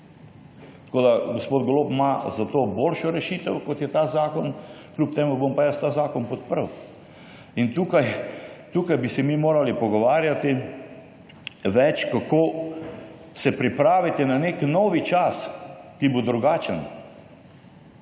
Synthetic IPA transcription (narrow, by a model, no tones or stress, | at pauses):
t̪koːd̪aɡospoːd̪ɡoloːpmazat̪oboːlʃɔɾɛʃiːt̪əwkɔt̪jɛt̪aːzaːkɔnklup̚t̪eːmubompajast̪aːzaːkɔnpɔt̪̚pəɾəw | int̪uːkajt̪uːkajbisɛmimoːɾalipɔɡɔʋaːɾjat̪i | ʋɛt͡ʃkakʰo | sɛpɾipɾaːʋit̪ɛnaneknɔʋit͡ʃaskibod̪ɾuɡaːt͡ʃən